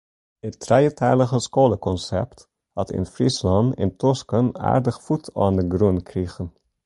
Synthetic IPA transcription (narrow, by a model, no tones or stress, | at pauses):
ətːrɛjətʰɛːləχəskoːləkɔnsɛ̰pt | hɑtɪ̰nfrislɑntɪ̰ntɔskəna̰ːrdəχfutʰɑːndəɡrunkriχən